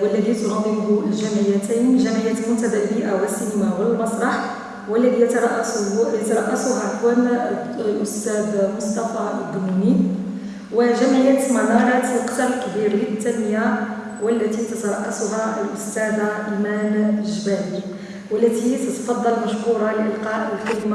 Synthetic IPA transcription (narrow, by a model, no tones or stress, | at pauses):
wəlːæðit̪nɑd̪ˤːibulʒæmʕəjːæt̪æjnʒæmʕəjːæt̪lmʊnt̪æd̪ælbiʔawəsːinəmawəlmɑsˤɾˤɑħ | wəlːædijt̪ɾˤɑʔsjt̪ɑɾˤɑʔːæsʊɦæħwæn | ʔʊst̪æd̪mʊst̪ɑfad̪uni | wəʒæmʕəjːæt̪mɑnɑɾˤɑt̪qt̪ɑlkbiɾlət̪ːænːəja | wəlːæt̪it̪ət̪ɑɾˤɑʔːasʊɦæʔlʔʊst̪æd̪aʔimænʒbæli | wəlːæt̪it̪ət̪fɑd̪ˤːɑlmæʃhuɾɑlʔəlqɑʔəlkʊlma